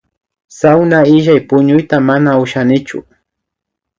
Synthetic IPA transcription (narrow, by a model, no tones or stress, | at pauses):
sawnaɪʒajpʊɲʊjt̪amanaʊʃanɪt͡ʃʊ̰